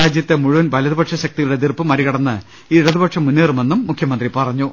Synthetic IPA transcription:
aːd͡ʑjɐt̪ːe̞muɻuʋɐnʋɐlɐðubɐʈʂɐɕɐk̚t̪iɣɐɭuɽed̪irpːɨmɐɾiɣɐɽɐnːɨ | iːɽɐðubɐʈʂɐmunːeːrume̞nːumːukʰjɐmɐnd̪ripɐrɐɲːu

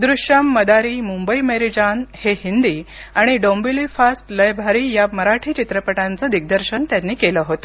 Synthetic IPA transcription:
d̪ɾuɕjamːəd̪aɾiːmumbəimeɾid͡ʑanhehind̪iː | aɽ̃iɖombilifasʈləjbʱaɾiːjaməɾaʈʰiːt͡ɕit̪ɾəpəʈant͡səd̪ik̚d̪əɾɕənt̪janːiːkeləɦot̪ə

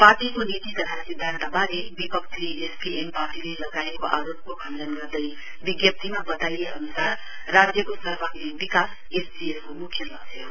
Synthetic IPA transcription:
paʈikonit̪it̪ʌt̪ʰasid̪ʱːant̪abaɾebipʌkt̪iespiempaʈilelʌɡaekoʔa̰ɾop̚kokʰʌndʌnɡʌrd̪ʌj | biɡjʌp̚t̪imabʌt̪ajeʌnusarː | ad͡zjʌkosʌrbakibikas | esbieskomukʰːjʌlʌɡsʰe

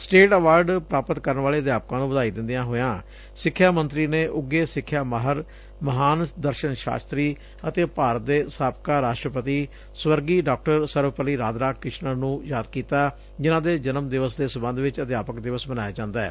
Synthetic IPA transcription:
sʈeːʈəʋaːɾɖpɾaːpət̪kəɾənʋaːleːəd̪jaːp̚kãːnũbəd̪aːiːd̪ɪ̃nd̪ijãːɦoːjãː | sɪkʰːjaːmənt̪ɾiːneːʔʊɡːeːsɪkʰːjaːməɦəɾ | məɦaːnd̪əɾʃənʃa̰ːst̪ɾiː | ət̪eːpaːɾət̪̚d̪eːsaːpkaːɾaːʃʈɾəpət̪iː | swəɾɡiːɖaːk̚ʈəɾsəɾʋpəliːɾaːd̪ɾaːkɪʃnəɾnũːjaːd̪kiːt̪aː | d͡ʒɪnãːd̪eːd͡ʒənəmd̪ɪʋəsd̪eːsəmbə̃nd̪ʋɪt͡ʃət̪jaːpəkd̪ɪʋəsbənaːjaːd͡ʒãːnd̪aːɛ̰ː

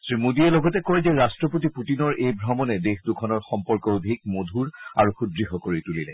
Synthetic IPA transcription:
sɹimudiɛlɔɡɔtɛkɔɹzɛɹastɹɔpotiputinɔɹʔejbʱɹɔmɔnɛdexdukʰɔnɔɹxɔmpɔɹkɔobʱik̚modʱuɹaɹuxudɹixɔkoɹitulilɛ̰

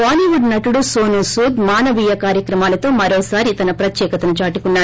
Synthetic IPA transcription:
aːniːʋuɖnɐʈuɽusoːnusuːd̪maːnɐʋijɐkaːɾjɐkɾɐmaːlɐt̪o̞ːmɐɾoːsaːɾit̪ɐnɐpɾɐt̪jɛːkɐt̪ɐnɐt͡ʃaːʈukunːaː

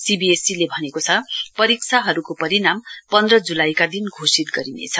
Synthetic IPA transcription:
sibiesilebʱʌnekot͡sʰʌpʌɾikt͡sʰaɦʌɾukopʌɾinampʌnd̪rʌd͡zulajkad̪inɡʱosit̪ɡʌɾinḛt͡sʰʌ

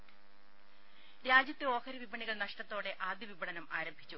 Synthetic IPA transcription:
ɾaːd͡ʑjɐt̪ːeo̞ːkʰɐɾɐʋibɐɳiɣɐɭnɐʂʈɐt̪ːo̞ːɽe̞ʔaːd̪jɐʋibɐɳɐnɐmaːɾɐmbʱi̥t͡ɕːu

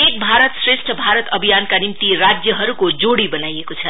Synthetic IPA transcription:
ek̚bʱaɾət̪sɾesʈʰəbʱaɾət̪əbʱijankanimt̪iɾad͡ʒjəɦʌɾukod͡ʒoɽibənaiekot͡sʰə

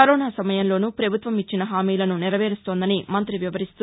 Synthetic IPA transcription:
ɐɾoːnaːsɐmɐjɐnlo̞ːnupɾɐbʱut̪ʋɐmit͡ʃːinɐɦaːmiːlɐnuniɾɐʋeːɾust̪oːnd̪ɐnimɐnt̪ɾiʋjɐʋɐɾist̪u

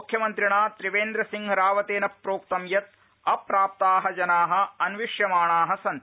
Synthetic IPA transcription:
ukʰjɐmɐnt̪ɾiɳaːt̪ɾiʋeːnd̪ɾɐsiŋɡɐɾaːʋɐt̪eːnɐpːɾoːk̚t̪ɐmjɐt̪̚ | ɐpɾaːp̚t̪aːɦɐd͡ʒɐnaːɦɐ̆ɐnʋiʂjɐmaːɳaːɦɐsɐnt̪

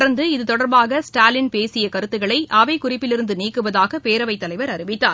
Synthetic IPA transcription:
ɽɐɾnd̪ɯɪðɯt̪ɔɽɐɾbaːɣɐsʈaːlɪnpeːsɪjɐkɐɾɯt̪ːɯɣɐɭɐɪʔɐʋɐɪkʊrɪpːɪlɪɾɯnd̪ɯniːkːɯʋɐðaːɣɐpeːɾɐʋɐɪt̪ːɐlɐɪʋɐɾɐɾɪʋɪt̪ːa̰ː

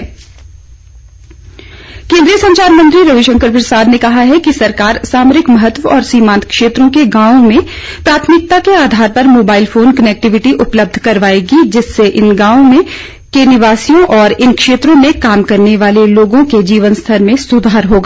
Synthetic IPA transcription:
kẽːnd̪ɾijəsɐ̃ɲt͡ʃaːɾmə̃nt̪ɾiɾɐʋɪʃə̃ŋkəɾpɾɐsaːd̪nekɐɦaɦɛkisɐɾkaːɾsaːmɾɪkmɐɦət̪ʋəɔːɾsiːmãːnt̪kʃeːt̪ɾõkeɡãːõmẽ | pɾaːt̪ʰmɪk̚t̪akeaːd̪ʱaːɾpɐɾmoːbaːɪlfoːnkɐnɛk̚ʈɪʋɪʈiʔʊpləb̚d̪ʱkɐɾʋaːeɡid͡ʒɪsːeʔɪnɡãːõmẽ | kenɪʋaːsijõʔɔːɾɪnkʃeːt̪ɾõmẽkaːmkɐɾneʋaːleloːɡõked͡ʒiːʋənst̪ʰəɾmẽsʊd̪ʱaːɾɦoːɡaː

